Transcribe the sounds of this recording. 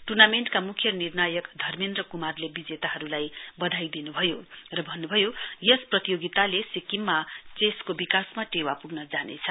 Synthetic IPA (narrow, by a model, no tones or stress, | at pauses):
ʈurnameɳʈkamukʰjʌnirnajʌkd̪ʱʌrmind̪rʌkumarlebid͡zet̪aɦʌɾulajbʌd̪ʱajd̪inubʱʌjorʌbʱʌnːubʱʌjojʌsprʌt̪ijoɡit̪alesikimːat͡seskobikasmaʈewapuɡnʌd͡zanḛt͡sʰʌ